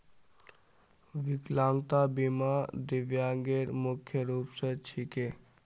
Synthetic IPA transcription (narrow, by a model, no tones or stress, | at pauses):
ʋiklaːŋɡt̪abimad̪iʋjaŋɡeɾmukʰjəɾuːpsət͡ʃʰike